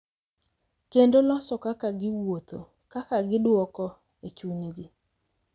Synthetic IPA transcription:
kendolɔsɔkakaɡɪwot̪o | kakaɡɪdwɔkɔ | et͡ʃuɲɡɪ

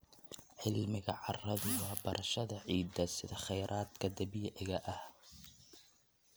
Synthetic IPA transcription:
ʕɪlmɪɣɐʕɑrɐðʊwɑːbɐɾʔɐʃɐðɐʕiːd̪ɐsɪðɐχɛjɾʔaːd̪kʰɐd̪ɐbɪjɐʔɣɐʔɐh

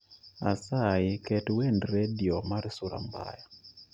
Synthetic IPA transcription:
a̰saɪkɛtwendɾediomaɾsuɾa̰mba̰ja

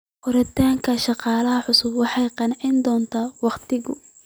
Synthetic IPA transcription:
ʔʊɾɐt̪ʰaːŋkʰɐʃɑqɑːlɐɦɐħʊsʊbwɑħɑjqɑnɪʕɪnd̪ɔːnt̪ʰaːwɑqt̪ʰɪɣʊ̰

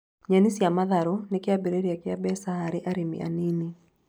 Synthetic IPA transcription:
ɲanisiamaðaɾɔnekɪabeɾeɾiakɪabɛsahaɾeʔaɾemḭa̰nini

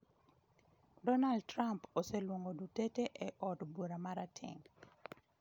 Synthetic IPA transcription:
dɔnaldtɾamposelwoŋɡoduteteʔeʔɔdbuɾamaɾatʰɪ̰ŋ

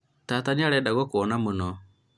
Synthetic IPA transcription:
taːtaneaɾɛdaɣokɔnamonɔ

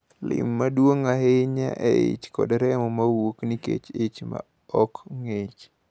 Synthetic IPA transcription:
lɪ̰mːadwoŋaɦeɲa̰ʔɛet͡ʃkɔ̰dɾɛmɔmawoknikḛt͡ʃet͡ʃma̰ | ɔkŋet͡ʃ

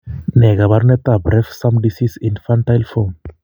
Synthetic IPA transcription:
neɣaβaɾnet̪abɾefsamd̪isisinfant̪ajlfo

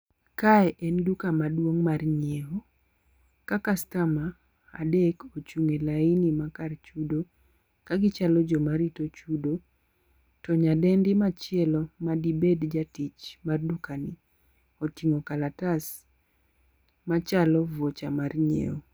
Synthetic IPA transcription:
kaɛʔɛndukamadwoŋmarɲeo | kakastama̰ː | dekot͡ʃuŋelainimakart͡ʃudo | kaɡɪt͡ʃalɔd͡ʒomaɾitot͡ʃudo | tɔɲadɛndɪmat͡ʃɪɛlɔmadibedd͡ʒatit͡ʃmardukanɪ | otiŋokalatas | mat͡ʃalɔvot͡ʃamarɲḛo

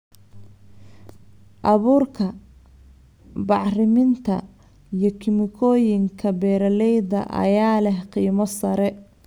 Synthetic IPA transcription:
ʔɑβuːrkʰɐ | bɑʕrɪmɪnt̪ʰɐ | ijɞkʰɪmɪkʰɔːjɪŋkʰɐbɛːɾɐlɛjðɐ̰ʔɐ̰jaːlɛhqiːmɔsɐɾɛ

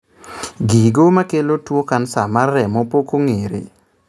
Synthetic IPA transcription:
ɡiɡomakelotwokansamarːɛmopokoŋeɾḛ

